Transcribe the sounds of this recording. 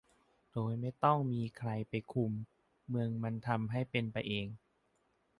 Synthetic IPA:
d̥oː˧jma˥˩jt̪ɔ˥˩ŋmiː˧kʰɾa˧jpa˧jkʰu˧mː | ɯ˧əŋma˧nt̪ʰa˧mɦa˥˩jpe˧npa˧jʔeː˧ŋ

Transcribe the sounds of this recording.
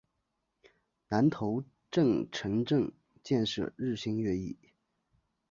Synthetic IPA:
na˧˥nt̪ʰo˧˥ʊ | ʈ͡ʂɤ˥˩ŋʈ͡ʂʰɤ˧˥ŋʈ͡ʂɤ˥˧ŋ | t͡ɕjɛ˥˧nʂɤ̰˥˧ɻɻ̩˥˩ɕi˥ŋɥɛ˥˧i˥˩

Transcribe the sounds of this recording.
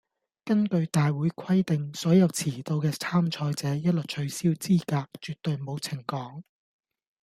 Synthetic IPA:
kɐ˥ŋkɵ˧ɥt̪aː˨jwuː˨˥jkʰɐ˥jt̪ɪ˨ŋsɔː˨˥jɐ˨˧wt͡sʰiː˨˩t̪o˧wkɛː˧t͡sʰaː˥mt͡ʃʰɔː˧jt͡sɛː˨˦jɐ˥t̚lɵ˨˩t̚t͡ʃʰɵ˨˧ɥsiː˥wt͡siː˥kaː˧k̚t͡ʃyː˨t̚t̪ːɵ˨˧ɥmo˨˧wt͡sʰɪ˨˩ŋkɔː˨˥ŋ

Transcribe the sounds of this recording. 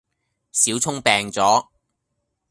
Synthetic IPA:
siː˨˥wt͡sʰʊ˥ŋpɛː˧ŋt͡sɔː˨˥

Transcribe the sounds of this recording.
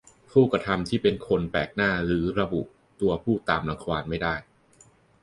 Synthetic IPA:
pʰuː˥˩kɾa˧t̪ʰa˧mt̪ʰiː˥˩pe˧nkʰo˧npɛː˨˩k̚naː˥˩ɾɯː˩˦ɾa˧bṵ˨˩ʔ | t̪u˧ɐpʰuː˥˩t̪aː˧mla˧ŋkʰwaː˧nma˥˩jdaː˥˩j

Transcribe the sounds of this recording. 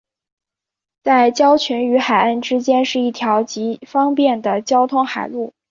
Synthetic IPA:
t͡sa˥˩ɪt͡ɕjɑ˥ʊt͡ɕʰɛ˧˥ny˧˥xa˨˩ɪa˥˩nʈ͡ʂɻ̩˥t͡ɕjɛ˥nʂɻ̩˥˧i˥˩t̪ʰjɑ˧˥ʊt͡ɕi˧˥fɑ˥ŋpjɛ˥˩nd̪ə˩t͡ɕjɑ˥ʊt̪ʰʊ˥ŋxa˨˩ɪlu˥˩

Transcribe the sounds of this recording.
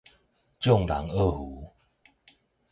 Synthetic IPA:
t͡ɕjɔ˥˨ŋla̰˨˦ŋə˥˧˨hu˨˦

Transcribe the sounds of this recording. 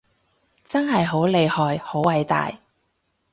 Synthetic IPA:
t͡sɐ˥nɦɐ˨jɦo˨˥wle˨˧jhɔː˨jho˨˥wɐ˨˥jt̪a̰ː˨j

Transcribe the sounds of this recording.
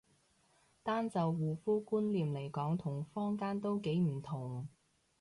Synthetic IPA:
t̪aː˥nt͡sɐ˨wːuː˨˩fuː˥kuː˥nliː˨mle˨˩jkɔː˨˥ŋt̪ʰʊ˨˩ŋfɔː˥ŋkaː˥nt̪o˥wke˨˥jm̩˨˩t̪ʰʊ˨˩ŋ

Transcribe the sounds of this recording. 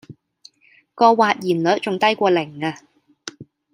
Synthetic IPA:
kɔː˧waː˨˧t̚jiː˨˩nlɵ˨˥t̚t͡sʊ˨ŋt̪ɐ˥jkʷɔː˧lɪ˨˩ŋaː˧

